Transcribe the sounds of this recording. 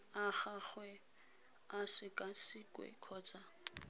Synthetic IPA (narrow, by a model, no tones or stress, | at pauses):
aχaχwɛ | asɪkʼasɪkʼwɛ̰kʰɔːt͡sʼa